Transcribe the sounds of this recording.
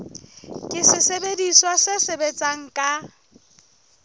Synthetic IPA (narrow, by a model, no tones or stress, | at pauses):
kʼɪsɪsebediswasɪsebet͡sʼaŋ̩kʼa